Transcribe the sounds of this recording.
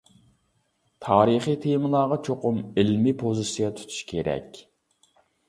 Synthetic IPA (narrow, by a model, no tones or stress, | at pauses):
t̪ʰɑːɾɨχit̪ʰemɨlˠɑːʁɑt͡ʃʰoqʊmɪlmipʰozisijɑt̪ʰu̥t̪ʰu̥ʃkʲʰeɾɛ̰kʲ